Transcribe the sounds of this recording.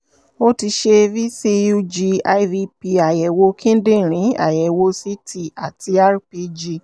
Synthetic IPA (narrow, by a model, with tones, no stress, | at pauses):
o˦ti˧ʃe˧vi˦si˧ju˧d͡ʒi˧a˧i˦vi˧pi˧a˨jɛ˨wo˧kʰĩ˦n̩˦dĩ˦˨ɾ̃ĩ˨˦a̰˦˨jɛ˨wo˧˦si˦ti˧a˨tʰi˧a˦ɾpi˧d͡ʒi˧